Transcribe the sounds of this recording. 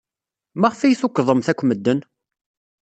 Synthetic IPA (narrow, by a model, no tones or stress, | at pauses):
mæʁfijθukʷːðˤəmθækʷːməd̪ːən